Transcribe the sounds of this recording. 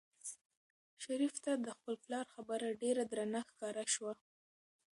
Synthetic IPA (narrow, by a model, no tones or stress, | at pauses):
ʃaɾift̪ad̪əxpəlplɑɾxabəɾaɖeɾad̪ɾanaxkɑɾaʃwa